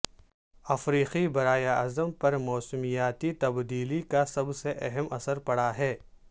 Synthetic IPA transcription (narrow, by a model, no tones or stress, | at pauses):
ɐfɾiːqibɐɾaːjaɐzəmpɐɾmɔːsmijaːt̪it̪ɐbd̪iːlikasɐbseʔɛɦɛmɐsəɾpɐɽaɦɛː